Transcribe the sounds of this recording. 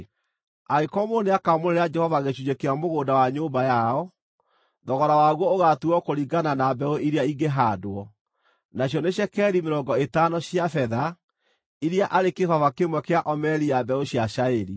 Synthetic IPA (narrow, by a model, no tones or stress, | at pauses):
aekɔmoneakamoɾeɾad͡ʒɛhɔvaɣeɕuɲekeamoɣoːdawaɲoːbajaɔ | ðɔɣɔɾawaːɣwɔoɣatuɔkoɾiɡananabɛoʔiɾeaiɡeɦadoɔ | naɕjɔneɕɛkɛɾimeɾɔŋɡɔetanɔɕjafɛða | iɾeaʔaɾekehɔvakemwɛkeaʔɔmɛɾiabɛoɕjaɕaeɾi